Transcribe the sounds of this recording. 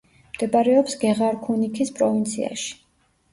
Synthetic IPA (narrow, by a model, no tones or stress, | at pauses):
md̪̥ɛbaɾɛɔpsɡɛʁaɾkʰunikʰispʼɾɔvint̪sʰḭa̰ʃi̥